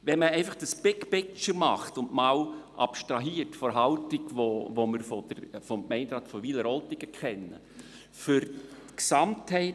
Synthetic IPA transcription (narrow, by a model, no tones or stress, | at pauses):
ʋɛnməɛɪfɑχd̥əsb̥ɪkpɪkt͡ʃəɾmɑχtʊndmɑːwʔɑ̰pʃtɾɑɦiːətfɔɾɦɑltɪɡʋoʋoməɾfɔd̥əɾfɔmkmɛɪndɾɑːtfɔʋiləɾɔltɪɡəkʰχɛnːə̰ | fʏɾtksɑmthɛɪ